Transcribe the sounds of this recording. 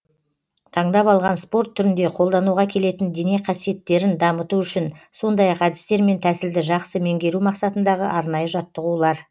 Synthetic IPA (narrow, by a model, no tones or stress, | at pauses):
t̪ʰɑɴd̪ɑpɑlˠʁɑnspo̞rt̪ʰːʏɾɪnd̪e̞qʰo̞lˠd̪ɑnuʁɑkʲʰe̞le̞t̪ɪnd̪e̞neqʰɑsije̞t̪ːe̞ɾɪnd̪ɑmət̪uʏʃɪnso̞nd̪ɑjɑqæd̪ɪst̪e̞ɾme̞nt̪ʰæsɪld̪ɪʒɑqsəme̞ŋɡʲe̞ɾumɑqsɑt̪ənd̪ɑʁəʔɑɾnɑjəʒɑt̪ːəʁulˠɑɾ